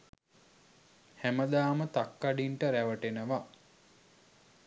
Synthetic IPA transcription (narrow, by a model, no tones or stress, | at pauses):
hæməd̪aːmət̪akːaɖiɳʈəɾæʋəʈenəʋa